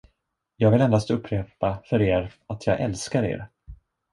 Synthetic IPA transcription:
jɑːɡvɪlɛnd̪ast̪ɵpʰːɾeːpafœɾeːɾat̪ʰjɑːɡʔɛ̰lskaɾḛːɾ

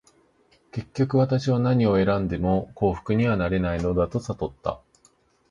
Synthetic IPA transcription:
ke̞kʲːokɯ̟βat̪aɕiβanaɲ̟io̞e̞ɾãnd̪e̞mo̞ko̞ːɸɯ̟̥kɯ̟ɲ̟iβanaɾe̞naino̞d̪at̪o̞sat̪o̞t̪ːa̰

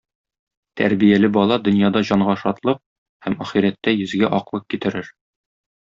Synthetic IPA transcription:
t̪ʰæ̰ɾbijælɘbɒlˠɑd̪ɵ̆njɑd̪ɑʑɒɴʁɑʃɒt̪lˠɤq̚ | hæmæχiɾæt̪ːæjɵ̆zɡæʔɒqlˠɤp̚kit̪ɘ̆ɾɘɾ

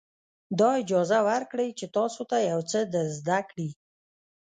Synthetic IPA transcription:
d̪ɑɪd͡ʒɑzawaɾkɽəjt͡ʃet̪ɑsot̪ajawt͡səd̪əzd̪akɽi

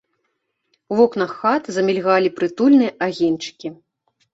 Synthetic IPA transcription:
vɔknɐxːat̪zɐmʲɛlʲɣalʲipɾɨt̪ulʲnɨjɐʔaɣʲint͡ʂɨ̥kʲi

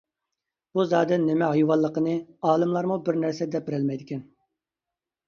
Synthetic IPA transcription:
b̥uzɑːd̪ɛnːɪmɛɦɑjwɑlˠːəqənɨɑːlˠɨmlˠɑɾmubɪɾnæɾsɛd̪ɛp̚bɪɾɛlmɛjd̪ɪkʲɛn

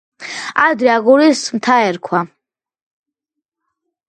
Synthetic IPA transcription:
ad̪ɾiaɡuɾismt̪ʰaɛɾkʰwa

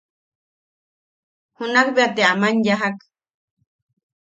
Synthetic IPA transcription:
hʊnaχbeat̪eamanjaɦak

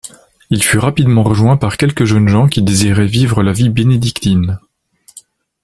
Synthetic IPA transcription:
ilfyʁapid̪mɑ̃ʁəʒwɛ̃paʁkʲɛlkəʒənʒɑ̃kʲid̪eziʁɛvivʁəlavibened̪ikt̪in

